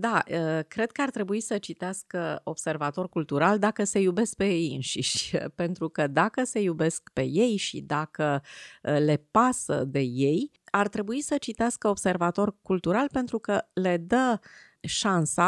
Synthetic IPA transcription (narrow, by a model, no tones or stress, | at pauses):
d̪aəkɾe̞d̪̚kəart̪ɾe̞buisət͡ʃit̪easkəo̞b̥se̞rvat̪o̞rkult̪uɾald̪akəse̞jube̞sk̚pe̞jejjɨnʃiʃʲpe̞nt̪ɾukəd̪akəse̞jube̞skpe̞je̞jʃḭd̪akə | le̞pasə̰d̪e̞je̞j | art̪ɾe̞buisət͡ʃit̪easkəob̥se̞rvat̪o̞rkult̪uɾalpe̞nt̪ɾukəle̞d̪ə | ʃansa